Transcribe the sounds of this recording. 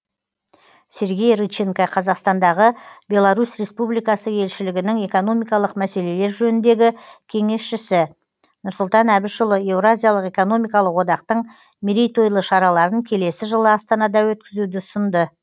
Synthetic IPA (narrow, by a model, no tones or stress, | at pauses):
se̞ɾɡʲe̞jrut͡ʃːeŋkaqʰɑzɑqst̪ɑnd̪ɑʁəbʲe̞lˠaɾusre̞spublijkɑsəje̞lʃɪlɪɡʲɪnɪŋe̞ko̞no̞mijkɑlˠəqmæse̞le̞le̞ɾʒɵnɪnd̪e̞ɡʲɪkʲʰe̞ŋe̞sʃɪsɪ | nʊɾsʊlˠt̪ɑnæbɪʃʊlˠəe̞vɾazʲijalˠəqe̞ko̞no̞mijkɑlˠəqwo̞d̪ɑq̚t̪əɴ | miɾijt̪o̞jlˠəʃɑɾɑlˠɑɾəŋkʲʰe̞le̞sɪʒəlˠəɑst̪ɑnɑd̪ɑwɵt̪̚kʲɪzud̪ɪsʊnd̪ə